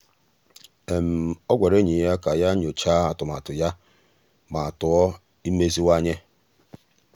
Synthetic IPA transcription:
e˨m̩˨ɔ˦ɡʷa˨ɾe˦ɲi˨ja˦ka˨ja˦ɲ˨o˨t͡ʃa˦a˨tʊ˨ma̰˨tʊ˨ja˦ | ma˨a˨tʊ˨ɔ˦ | i˦me˦zi˦wa˦ɲe˦

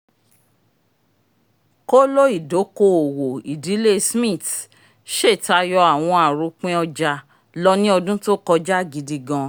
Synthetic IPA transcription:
ko˦lo˦i˦˨do˨˦ko˦o˨wo˨i˨di˨˦le˦smĩ˦˨t | ʃe˦˨ta˧jɔ˧a˨w̃ɔ̃˧a˨ɾu˨˦k͡pẽ˦ɔ˧d͡ʒa˧ | lɔ˦nĩ˦ɔ˧dũ˦to˦kɔ˧d͡ʒa˦˨ɡi˧di˧ɡã˧

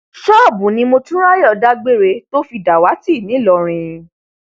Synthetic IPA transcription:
ʃɔ˦˨bũ˨˦nĩ˧mo˧tũ˦ɾa˦jɔ˦˧˨da˦ɡ͡be˦˨ɾe˧˦to˦fi˧da˨wa˨˦ti˦˨nĩ˨˦lɔ˧˨ɾ̃ĩ˧

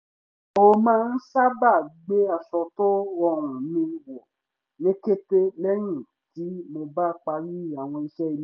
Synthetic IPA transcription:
o˧mãː˦n̩˦sa˦ba˦˨ɡ͡be˦a˨sɔ˧to˦ɔ˧˦ɾ̃ũ˨nĩ˧˦wɔ˨ | nĩ˦ke˦te˦lɛ˦ɾ̃ĩ˦˨ | ti˨˦mo˧ba˦k͡pa˧ɾi˦˨a˨w̃ɔ̃˧i˧ʃɛ˦i˧l

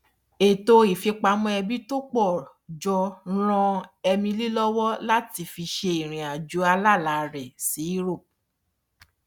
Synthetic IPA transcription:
e˨to˧i˨fi˧k͡pa˧˦mɔ̃˧˦ɛ˧bi˦to˦k͡pɔ˦˨ | d͡ʒɔ˧ɾ̃ɔ̃˧ɛ˧mĩ˧li˦lɔ˦wɔ˦la˦ti˧fi˧ʃe˧i˨ɾ̃ĩ˨a˨d͡ʒu˨˦a˧la˦˨la˨ɾɛ˨si˨˦i˦ɾo˦˨

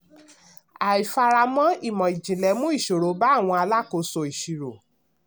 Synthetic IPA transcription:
a˨i˨fa˧ɾa˧mɔ̃˦i˦˨mɔ̃˨i˨d͡ʒĩ˨lɛ˨˦mũ˦i˦˨ʃo˨ɾo˨˦ba˦˨w̃ɔ̃˧a˧la˦˨ko˨˧sɔ˧˨i˨ʃi˨ɾo˨

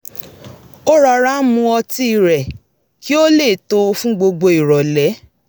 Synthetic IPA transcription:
o˦ɾa˨˧˨ɾa˦mũ˧ɔ˧ti˦˨ɾɛ˨ | ki˦o˦le˦˨to˧˦˧fũ˦ɡ͡bo˧ɡ͡bo˧i˨ɾɔ˨lɛ˨˦

